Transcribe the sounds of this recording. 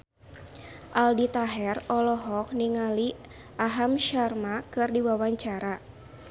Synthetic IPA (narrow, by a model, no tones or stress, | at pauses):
ʔaldit̪aɦɛrɔlɔɦɔk̚niŋali | ʔaɦamʃarmakɨrdiwawaɲt͡ʃaɾa